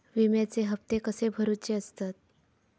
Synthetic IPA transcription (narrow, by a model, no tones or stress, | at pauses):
ʋimjat͡seɦəpt̪ekəsebʱəɾut͡ɕeəst̪at̪̚